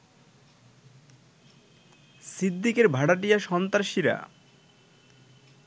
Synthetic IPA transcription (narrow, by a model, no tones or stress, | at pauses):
sid̪ːikeɾbʱaɽaʈijaʃɔnt̪aɾʃiɾa̰